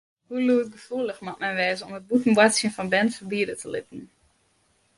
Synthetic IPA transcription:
huluətɡəfuəlˠəxmatmɛnʋɛːzəɔmət̚bukn̩bwasjənfɔnbɛntfəbiədətʰəlɪtn̩

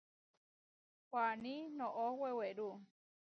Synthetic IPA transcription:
kʷanĩnõʔoweweɾu

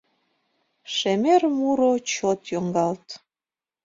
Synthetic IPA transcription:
ʃemermuɾot͡ɕot̪joŋɡɑlt̪

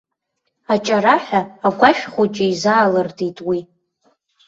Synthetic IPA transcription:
at͡ʃʼaɾaħaːɡʷaʃᶣχʷot͡ʃʼɪizaːlɨrdʰitʼwi

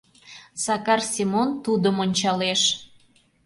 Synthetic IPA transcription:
sɑkɑrsʲimont̪ud̪əmonʲt͡ɕɑleʃ

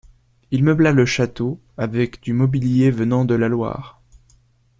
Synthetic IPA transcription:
ilməblaləʃat̪o | avɛkd̪ymɔbiljevənɑ̃d̪əlalwa̰ːʁ

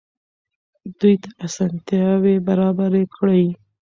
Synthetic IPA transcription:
d̪ujt̪aʔasɑnt̪jɑwebaɾɑbaɾekɽəj

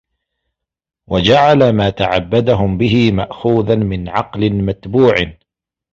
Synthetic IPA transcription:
wʔad͡ʒaʕalamaːt̪aʕabːad̪aɦʊmbɪɦɪmaʔxuːðanmɪnʕɑqlɪnmat̪buːʕ

